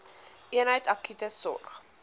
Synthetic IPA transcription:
ʔiənɦəjtɐkytəsɔ̰rχ

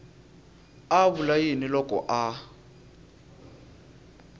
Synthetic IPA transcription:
aβulajinilɔkɔ̰ʔa

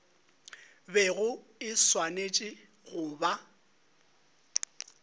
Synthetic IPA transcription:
bɛɣʊɪswanet͡ʃʼɪ | ɣʊba

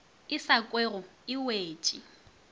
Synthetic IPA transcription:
ɪsakʼweɣɔɪweːt͡ʃʼi

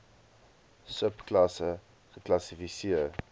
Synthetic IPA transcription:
səpklɐsə | χəklɐsifisiət

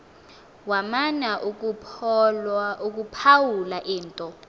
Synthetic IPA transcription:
wamanaʔuk̬ | uk̬ʼupʰawulaʔiːntʼɔ

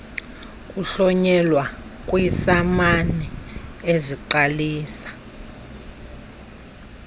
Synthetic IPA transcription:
kʼuɬɔɲɛlwa | kʼwisamanɛeziǃaliːsḁ

